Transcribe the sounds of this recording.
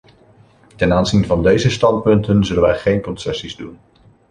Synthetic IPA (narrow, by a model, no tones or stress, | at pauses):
tɛnaːnzinvɑndejzəstɑnt̚pɵntənzɵlənʋɛjχejnkɔnsɛsizdun